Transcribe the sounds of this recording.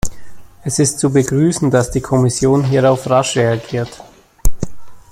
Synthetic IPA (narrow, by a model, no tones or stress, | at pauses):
ʔɛsɪstt͡subəɡʁyːsn̩dasd̥iːkʰɔmɪsjoːnɦiːʁaʊfʁaʃʁeaɡiːɐt